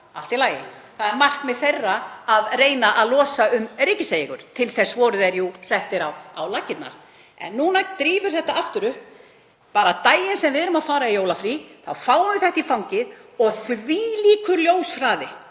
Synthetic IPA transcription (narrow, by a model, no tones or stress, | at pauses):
alt̪ilaːjɪ̰θaðɛɾmar̥kmɪðθejrːaːðreːjnaʔaðlɔːsaʏmrɪcɪsejɪɣʏɾ̥t̪ʰɪlθɛsːvɔːɾʏðɛɾjusɛht̪ɪɾawa̰wlacːɪt̪na̰ɾ̥ | ɛ̰nːuːnat̪ɾiːvʏɾ̥θɛht̪aaft̪ʏɾʏhp | paːɾat̪aːjɪnsɛmvɪðɛɾʏmaðfaːɾaijowlafɾiθawfaːwnʏθɛht̪ifawŋcɪðɔɣθviːliːkʏljowsraːðɪ